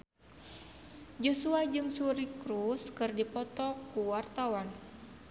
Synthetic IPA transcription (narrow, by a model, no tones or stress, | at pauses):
d͡ʒɔsuad͡ʒɨŋsuɾikɾuskɨrdipɔt̪ɔkuwart̪awan